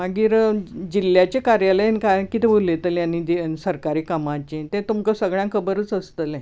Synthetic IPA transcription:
maɡiːɾd͡ʑilːjat͡ɕekaɾjalənkajkit̪ʰeʋolet̪əlanid̪esəɾkaɾiːkamãt͡ɕet̪ẽt̪umkəsəɡɭjãkʰəbəɾət͡səst̪əlẽ

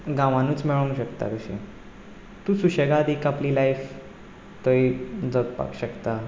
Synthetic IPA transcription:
ɡãʋãnuːt͡smeɭũɕəkt̪a̰kəɕḛ̃ | t̪ũːsuɕeɡad̪ikapliːlaif | t̪oid͡zəkpa̰kɕəkt̪a

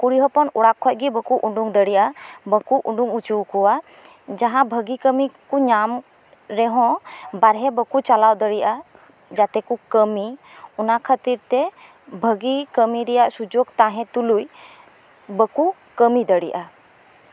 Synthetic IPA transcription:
kuɽiɦəpɔnuɽakʰːɔc̚ˀɡibəkuʔuɳɖuŋd̪əɽiʔabəkuʔuɳɖuŋut͡ʃuwkuwa | d͡ʒaɦãbʱəɡikəmikuɲam | ɾɛɦɔ̃baɾɦɛbəkut͡ʃalawd̪əɽiʔa | d͡ʒat̪ɛkukəmi | unakʰət̪iɾt̪ɛ | bʱəɡikəmiɾɛjaʔsud͡ʒoɡt̪aɦɛ̃t̪uluj | bəku | kəmid̪əɽiʔa

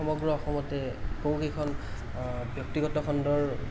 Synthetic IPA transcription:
ɔmɔɡɹɔɔxɔmɔtɛkowkejkʰɔn | bjɔk̚tiɡɔtɔkʰɔndɔɹ

